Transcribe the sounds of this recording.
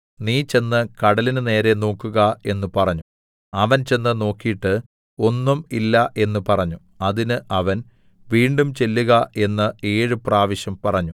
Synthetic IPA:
niːt͡ɕe̞nːɨkɐɽɐlinɨne̞ːɾe̞no̞ːkːuɣɐe̞nːupɐrɐɲːu | ɐʋɐnt͡ɕe̞nːɨno̞ːkːijiʈːɨ | o̞nːumilːɐʔe̞nːupɐrɐɲːu | ɐðinɨʔɐʋɐn | ʋiːɳɖumt͡ɕe̞lːuɣɐe̞nːɐe̞ːɻupraːʋiɕjɐmpɐrɐɲːu

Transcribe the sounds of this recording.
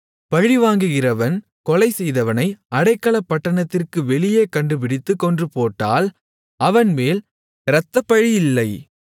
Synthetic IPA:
pɐɻiʋaːŋɡɯɣɪrɐʋɐn | kɔlɐɪsɛjðɐʋɐnɐɪʔɐɽɐɪkːɐɭɐpːɐʈːɐɳɐt̪ːɪrkɯʋɛɭɪjeːkɐɳɖɯp̬ɪɽɪt̪ːɯkɔndrɯpoːʈːa̰ːl | ɐʋɐnmeːl | ɾɐt̪ːɐpːɐɻijɪlːɐɪ

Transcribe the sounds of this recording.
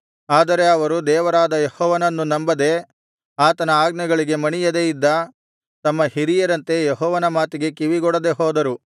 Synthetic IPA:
aːd̪ɐɾe̞ɐʋɐɾud̪ɛːʋɐɾaːd̪ɐjehɔːʋɐnɐnːunɐmbɐd̪e̞ | aːt̪ɐnɐaːɡnɐɡɐɭiɡe̞mɐɳijɐd̪ejid̪ːɐ | t̪ɐmːɐhiɾijɐɾɐnt̪e̞jeɦɔːʋɐnɐmaːt̪iɡe̞kiʋiɡɔɽɐd̪e̞ɦoːd̪ɐɾu

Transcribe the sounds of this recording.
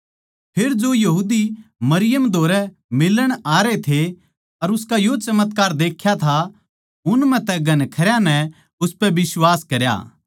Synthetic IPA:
pʰeɾd͡ʒojɐɦuːd̪imɐɾɪjəmd̪ʱoːɾɛ | mɪlːəɽ̃aːɾet̪ʰe | ɐɾʊskajot͡ʃɐmət̪kaːɾd̪eːkʰːjat̪ʰa | ʊnmɛ̃t̪ɛɡɐnkʰɐɾjanɛ | ʊspɛbɪswaːskɐɾja̰ː

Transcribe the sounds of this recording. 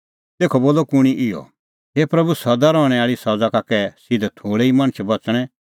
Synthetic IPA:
t̪eːkʰɔboːlɔkʊɽ̃iʔɪɔ̰ | ɦeːpɾɐbusɐd̪aɾɔːɽ̃ɛaːɭisɐd͡zakakɛsɪd̪ʱɛt̪ʰoːɽɛimɐ̃ñət͡ʃʰbɐt͡sɽ̃ɛ̃

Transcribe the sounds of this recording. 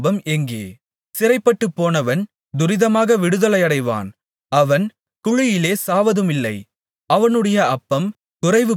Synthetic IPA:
bɐmɛŋɡḛː | sɪrɐɪpːɐʈːɯpːoːnɐʋɐn | d̪ʊɾɪðɐmaːɣɐʋɪɽɯðɐlɐɪɐɽɐɪʋa̰ːn | ɐʋɐn | kʊɻɪjɪleːsaːʋɐðɯmɪlːɐɪ | ɐʋɐnɯɽɐjɐɐpːɐm | kʊrɐɪʋɯ

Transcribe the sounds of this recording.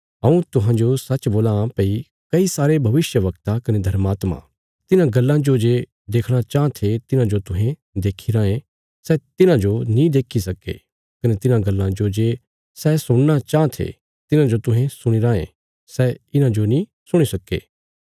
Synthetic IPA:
ɦɐũt̪ʊɦãd͡ʒosɐt͡ʃːboːlãpɐi | kɐisaːɾebʱɐʋɪsjəʋɐkt̪akɐned̪ʱɐɾmaːt̪ma̰ | t̪ɪnãɡɐlːãd͡ʒod͡ʒeː | d̪eːkʰɽ̃at͡ʃãːt̪ʰet̪ɪnãd͡ʒot̪ʊɦẽ | d̪eːkʰiɾãːẽ | sɛt̪ɪnãd͡ʒonĩd̪eːkʰisɐkḛ | kɐnet̪ɪnãɡɐlːãd͡ʒod͡ʒeː | sɛsʊɽ̃ñat͡ʃãːt̪ʰḛ | t̪ɪnãd͡ʒot̪ʊ̃ɦẽsʊɽ̃iɾãːḛ̃ | sɛɪnãd͡ʒonĩ | sʊɽ̃isɐkːḛː

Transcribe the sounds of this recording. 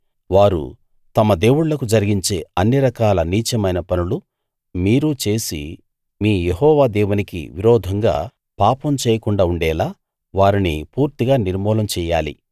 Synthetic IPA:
ʋaːɾṵ | t̪ɐmɐd̪e̞ːwuɽlɐkud͡ʒɐɾiɡiɲt͡ʃe̞ːɐnːiɾɐkaːlɐniːt͡ʃɐmɐjnɐpɐnulu | miːɾut͡ʃe̞ːsḭ | miːjeɦɔːʋaːd̪ɛːwunikḭʋiɾɔːd̪ʱɐŋɡa̰ː | paːpɐmt͡ʃɛːjɐkuɳɖaːuɳɖɛːlaː | ʋaːɾinḭpuːɾt̪iɡaːniɾmɔːlɐmt͡ʃɛːja̰ːlḭ

